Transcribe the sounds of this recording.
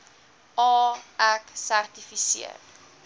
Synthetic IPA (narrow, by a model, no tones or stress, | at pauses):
ɑːæksærtifisḭə̰r